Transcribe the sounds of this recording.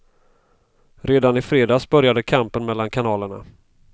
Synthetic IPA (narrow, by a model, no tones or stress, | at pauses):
ɾeːd̪anɪfɾeːd̪ɑːsbœɾjad̪əkʰampənmɛlːankʰanɑːləɳa̰